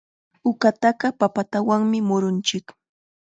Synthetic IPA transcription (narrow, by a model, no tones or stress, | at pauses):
ʊkat̪ɑɢɑpapat̪awaŋmɪmʊɾʊnt͡ʃɪk